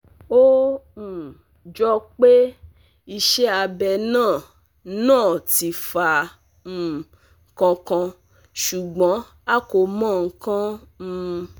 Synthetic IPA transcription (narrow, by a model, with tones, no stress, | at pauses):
õ˦˨ | d͡ʒɔ˦k͡pe˦ | i˧ʃɛ˦a˧bɛ˧nãː˦˨ | nãː˦˨ti˨fã˨ | kɔ̃˧kã˧ | ʃu˨ɡ͡bɔ̃˨˦ | a˦ko˧mɔ̃˦˨ŋ̩˦kã˦n̩˧